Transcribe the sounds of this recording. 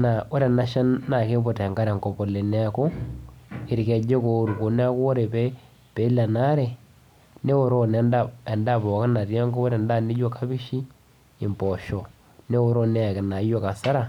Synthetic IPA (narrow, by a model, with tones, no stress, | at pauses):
na˨o˦ɾe˨na˦ʃa˦nːa˨ke˦bo˨tɛ˨ŋɡa˦ɾe˨ŋkɔ˨po˨le˨ne˦a˨ko˦ | ɪ˨ɾke˨d͡ʒe˦ko˨ɾu˨ko˨ne˦a˦ko˦o˦ɾe˨pe˦ | pe˨˦la˨na˦ɾɛ˨ | ne˦o˦ɾo˦nɛ˦nda˨ɛ˨nda˦˨pɔ˨ka˦na˨rja˦ŋɡo˦o˦ɾe˨nda˦˨ni˦d͡ʒo˦ka˦bi˦ʃi˦ | ɪ˨mpɔ˨ʃɔ˨ | ne˦o˦ɾo˦ne˦a˨kɪ˨na˨˦jo˦ka˨sa˦ɾa˨